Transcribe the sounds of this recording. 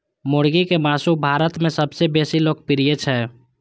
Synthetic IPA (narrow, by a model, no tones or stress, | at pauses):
moɽɡikemaːsubʱaːɾət̪mẽsəbsebeːsiloːkʰpiɾijet͡ʃʰɛ